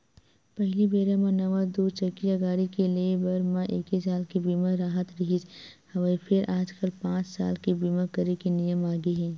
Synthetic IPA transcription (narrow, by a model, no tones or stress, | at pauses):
pɛɦlibeːɾamãnɐʋad̪uːt͡ʃɐkːijaɡaːɽikeliebɐɾmãʔeːkisaːlkibiːmaɾaːɦət̪ɾɐɦid͡ʒ | hɐʋaipʰɪɾʔaːd͡ʒkəlpãːt͡ʃsa̰ːlkibiːmakəɾekinijəmaːɡiɦɛ̃ː